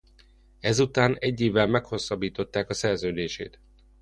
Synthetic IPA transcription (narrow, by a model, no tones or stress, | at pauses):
ɛzut̪aːnɛɟːeːvɛlmɛkho̞sːɒbːiːt̪o̞t̪ːaːkɒsɛrzøːd̪eːʃḛːt̪